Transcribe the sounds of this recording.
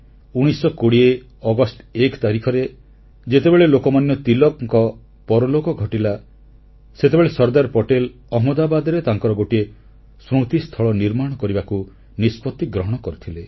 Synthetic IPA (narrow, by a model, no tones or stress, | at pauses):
uɽ̃isɔkoɽie | ɔɡɔsʈekt̪aɾikʰɔɾe | d͡ʒet̪ebeɭelokɔmanjɔt̪ilɔkŋkɔ | pɔɾɔlokɔɡʱɔʈila | set̪ebeɭesɔɾd̪aɾpɔʈel | ɔɦmɔd̪abad̪ɔɾet̪aŋkɔɾɔɡoʈie | sɾot̪ist̪ʰɔɭɔniɾmaɽ̃ɔkɔɾibaku | nispɔt̪ːiɡɾɔɦɔɽ̃ɔkɔɾit̪ʰile